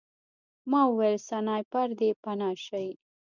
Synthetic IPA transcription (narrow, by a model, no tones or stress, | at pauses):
mɑwelsanɑjpaɾd̪epanɑʃaj